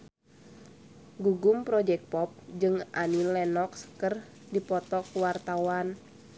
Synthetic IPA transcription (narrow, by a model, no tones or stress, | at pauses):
ɡuɡumpɾɔd͡ʒɛk̚pɔp̚d͡ʒɨŋʔa̰ninlɛnɔkskər | dipɔt̪ɔkuwart̪awan